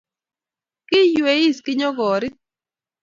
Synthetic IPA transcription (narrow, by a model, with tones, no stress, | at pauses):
kɪ˦jwe˨˦i˦skɪ˦ɲɔ˦ɡɔ˨ɾɪ˦